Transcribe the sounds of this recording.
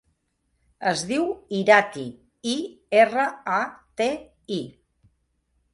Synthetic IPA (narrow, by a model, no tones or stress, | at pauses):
əzðiwiɾat̪i | ierəat̪e | i